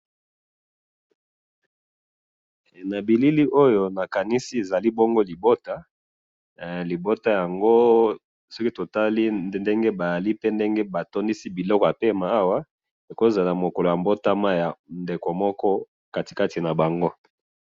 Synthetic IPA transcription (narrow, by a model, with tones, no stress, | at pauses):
na˨bi˨li˦li˦ʔo˦jo˨na˨ka˨ni˦si˦e˨za˨li˦bo˦ŋɡo˦li˨bo˦ta˦ | li˨bo˦ta˦ja˨ŋɡo˦ | sɔ˦ki˦to˨ta˦li˦nde˦ŋɡe˦ba˨ja˨li˦pe˦nde˦ŋɡe˦ba˨to˦ndi˦si˦bi˨lɔ˦kɔ˨ja˨pe˦ma˨a˦wa˦ | e˨ko˦e˦˨za˨la˨mo˨ko˨lo˨ja˨mbo˦ta˦ma˦ja˨nde˨ko˨mɔ˦kɔ˦ | ka˦ti̥˨ka˦ti˨na˨ba˨ŋɡo˦